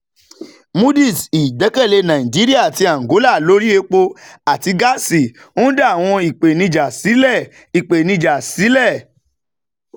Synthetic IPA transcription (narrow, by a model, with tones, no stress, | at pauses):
mu˦di˦˨si˨dɛ˨˦kɛ˦˨le˧nã˨ĩ˨d͡ʒi˦ɾi˦a˦˨ti˧a˨ɡo˨˦la˦˨lo˦ɾi˦e˧k͡po˧a˨ti˧ɡa˦si˨ | õ˦da˦˨w̃ɔ̃˧i˨k͡pe˨nĩ˧d͡ʒa˨si˨˦lɛ˦˨ | i˨k͡pe˨nĩ˧d͡ʒa˨si˨˦lɛ˦˨